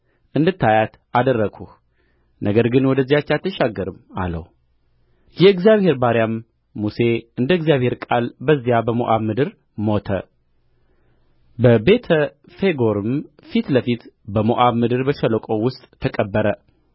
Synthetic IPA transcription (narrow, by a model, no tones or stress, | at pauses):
ʔɨnd̪ɨt̪ːajat̪ | ad̪ərːəɡʰuh | nʔəɡəɾɡɨnwɔd̪əzːijat͡ʃːat̪ʰːəʃaɡːəɾɨma̰lə̰w | jɛɨɡzijaβhe̞ɾbaɾjamː | use̞ɨnd̪əɨɡzijaβhe̞ɾkʼalbəzːijabəmo̰ʔaβmɨd̪ɨɾ | mo̞t̪ʰə̰ | bəbe̞t̪ʰə | fe̞ɡoɾɨm | fit̪ləfit̪bəmoʔaβmɨd̪ɨɾbəʃələkʼo̞wʊst̪ʼːʰəkʼəbːəɾə